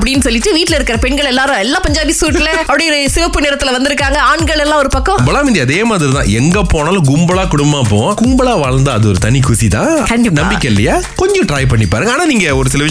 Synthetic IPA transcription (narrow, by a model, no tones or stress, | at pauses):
ɐpːɐɽɪnːɯsɔlːɪʈːɯʋiːʈːɪlɐɪɾɯkːɪɾɐpɛɳɡɐɭɛlːaːɾʊ̃ɛlːãːpɐɲd͡ʒaːʋisuːʈːɪlɐɐpːɐɽɐjɔɾɯsɪʋɐpːɯneːɾɐt̪ːɪlɐʋɐnd̪ɪɾɯkːaːŋɡɐaːɳɡɐɭɛlːãːɔɾɯpɐkːɔ̃mbɐɭaːmɪnd̪iɐðeːmaːðɪɾit̪ã̰ːɛŋɡɐpoːnaːlɐ̃ɡʊmbɐɭaːkʊɽʊmbaːp̬oːɡʊmbɐɭaːʋaːɻɐnd̪ɐɐðɯɔɾɯt̪ɐnikʰʊsit̪ãːkɐɳɖnɐmbɪkʲːɐɪlːɐjaː | kɔɲd͡ʒɔ̃ʈɾaːjp̬ɐɳːipːaːɾɯːŋɡɐaːnaːniːŋɡɐɔɾɯsɪlɐʋɪʂ